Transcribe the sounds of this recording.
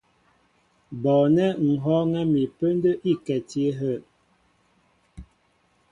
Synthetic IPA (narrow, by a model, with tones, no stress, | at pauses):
bɔ˨nɛ˦ŋ̩˨ɦɔ˦ŋɛ˦mi˨pə˦ndə˦ʔi˦˨kɛ˨ti˦e˦ɦə˦˨